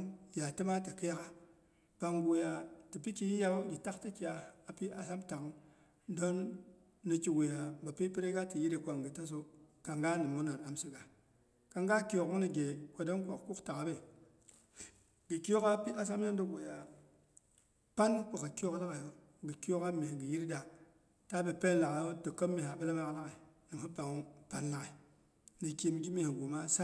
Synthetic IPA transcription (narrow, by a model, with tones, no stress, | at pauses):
ja˨ti˦ma˦ti˨ki˦a˦ka˦ | pa˨ŋɡu˨ja˨ti˨pi˦ki˦ji˦ja˦ɡi˨ta˦kti˦ki˨ja˨a˨pi˦a˨sa˦mta˨k | do˦nː | i˨ki˨ɡu˨ja˨ba˨pi˦pi˦ɾe˦ɡa˦ti˨ji˦ɾe˨kʷa˨ŋɡə˨ta˦s̬o˦ka˨ŋɡa˦ni˨mu˦na˨na˨msi˦ka˨ | ka˨ŋɡa˦ki˦jo˨ku˦ni˨ɡe˨kʷo˨do˦nkʷo̰˨kku˦kta˨ka˨˦be˨ | ɡi˨ko˦ka˦pi˦a˦s̬a˦m˦e˦du˦we˨ja˨ | pa˦nkʷa˨ka˨ko˦kda˦ka˨jo˦ | ɡə˨ki˦o˦ka˦me˨ɡi˨ji˦ɾda˨ | ta˦be˨pe˦nla˨ɣa˨˦o˦tə˨kːə˦mːe˨ɦa˨bə˦la˦ma˦kla˦ɣe˨ni˨mhu˦ba˨ŋu˦pa˦nla˦ki˨ | nə˨ki˦m˦d͡ʒi˦mi˦hi˨ɡu˨ma˦sa˦